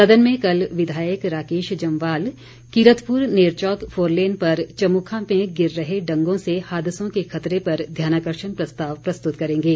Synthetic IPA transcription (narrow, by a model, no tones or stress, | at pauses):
sɐd̪ʱənmẽkɐlʋɪd̪ʱaːjəkɾaːkeːʃd͡ʒɐ̃mʋaːl | kiɾət̪pʊɾneːɾt͡ʃɔːkfʰoːɾleːnpɐɾt͡ʃɐmukʰamẽɡɪɾːɐɦeɖɐ̃ŋɡõsehaːd̪ɪsõkexʰɐt̪ɾepɐɾd̪ʱjaːnaːkəɾʃənpɾɐst̪aːʋpɾɐst̪ʊt̪kɐɾẽːŋɡeː